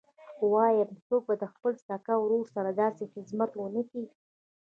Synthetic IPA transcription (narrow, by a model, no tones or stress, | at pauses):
wɑjamsoɡ̚bad̪əxpəlst̪akawɾoɾsaɾad̪ɑsexɪzmat̪wənəki